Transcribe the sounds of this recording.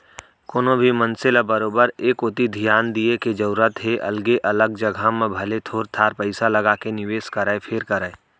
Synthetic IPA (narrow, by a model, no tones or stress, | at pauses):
koːnõbʱimə̃nsɪlabəɾoːbəɾeːkoːt̪id̪ʱijaːnd̪ieked͡ʒəɾuɾət̪ɦeʔɐ̰lɡeʔɐləɡd͡ʒɐɡʱamẽbʱɐlet̪ʰoːɾt̪ʰaːɾpəɪsalɐɡakenɪʋeːskəɾəpʰeːɾkəɾəː